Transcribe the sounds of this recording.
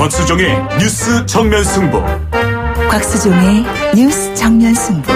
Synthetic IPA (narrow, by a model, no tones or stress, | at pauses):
kwak̚s͈ud͡ʑʌŋeɲjus͈ɯt͡ɕʰʌŋmjʌnsʰuŋbʌ̰ | kwak̚s͈ɯd͡ʑʌŋe | ɲus͈ɯ̥t͡ɕʰʌŋmjʌnsʰuŋbo